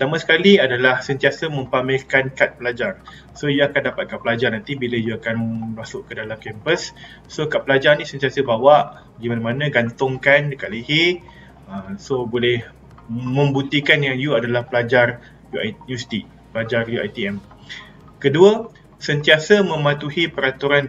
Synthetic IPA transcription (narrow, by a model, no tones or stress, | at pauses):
pət̪amãsə̥kaliadalahsənt̪iasəmə̃mpamɪlkankat̪̚pəlad͡ʒar | sojuakandapat̪̚kat̪̚pəlad͡ʒarnant̪ibiləjuakanmasʊʔkədalamkɛmpəsː | okaʔ̪̚pəlad͡ʒarnĩsənt̪iasəbawaʔ | ɡimanamãnãɡant̪ʊŋkankaʔlihe | əsobolɛh | mə̃mbut̪ikanjaŋjuadalahpəlad͡ʒar | juanust̪iʔ | pəlad͡ʒarjua̰jt̪iɛm | kəduə | sənt̪iasəmə̃mãt̪uhipəɾat̪uɾan